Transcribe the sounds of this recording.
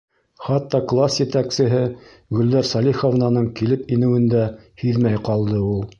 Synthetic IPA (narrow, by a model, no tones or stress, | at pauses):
χɑt̪ːɑklˠasjɘ̆t̪æksɘ̆ɦɘ | ɡɵ̆ld̪ɑɾsɑlʲiχŏvnɑnɤɴkilɘpinɘ̆wɘ̆nd̪æ | hɵðmæjqɑlˠd̪ɤulˠ